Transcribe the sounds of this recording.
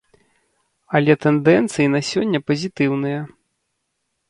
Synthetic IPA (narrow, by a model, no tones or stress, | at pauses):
ɐlʲɛt̪ɛnd̪ɛnt̪sɨjinɐsʲɔnʲːɐpɐzʲit̪ɨwnɨjɐ